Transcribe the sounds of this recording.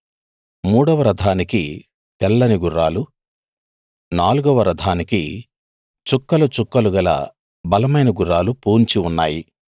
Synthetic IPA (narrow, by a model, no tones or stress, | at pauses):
muːɽɐʋɐɾɐd̪ʱaːniki | pɛlːɐniɡuɾaːlu | naːluɡɐʋɐɾɐd̪ʱaːnikḭ | t͡ʃukːɐlut͡ʃukːɐluɡɐlɐ̰ | bɐlɐmɐjnɐɡuɾaːlupuːɲt͡ʃiunːaːji